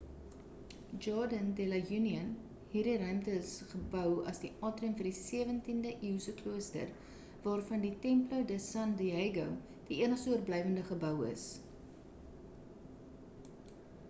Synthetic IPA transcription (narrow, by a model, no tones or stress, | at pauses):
d͡ʒɑːdəndelɐjuniən | ɦiːrdirœɥmtəsχəbœwɐ̰sdiʔɑːtrimfərdisiəvəntindəʔiwsəkluəstə̰r | vɑːrfɐnditɛmplowdəsɐndieɡow | d̥iiənəχsuərblɛjvəndəχəbœwə̰s